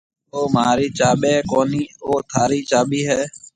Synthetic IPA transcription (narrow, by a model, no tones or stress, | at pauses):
oːmaːɾiːt͡ʃaːɓeːkoːniːoːt̪ʰaːɾiːt͡ʃaːɓiːɦɛː